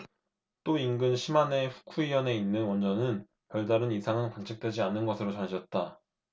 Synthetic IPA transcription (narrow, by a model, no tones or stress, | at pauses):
t͈oinɡɯnɕʰimane̞ɸu̥kʰuijʌne̞inːɯnwʌnd͡ʑʌnɯn | pjʌɭdaɾɯnisʰaŋɯnkwant͡ɕʰɯk̚t͈we̞d͡ʑianɯnɡʌsʰɯɾot͡ɕanɕʌt̚t͈a